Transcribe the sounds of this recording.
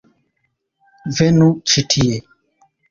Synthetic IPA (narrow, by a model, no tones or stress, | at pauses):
vɛnut͡ʃitʰie